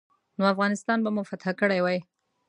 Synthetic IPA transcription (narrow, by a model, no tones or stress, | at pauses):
noafɣɑnɪst̪ɑnbamufat̪hakəɽajwɑj